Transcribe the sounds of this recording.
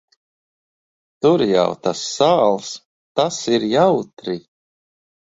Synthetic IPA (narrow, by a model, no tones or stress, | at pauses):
t̪uɾja̰wt̪asːaːlˠs | t̪asiɾjawt̪ɾi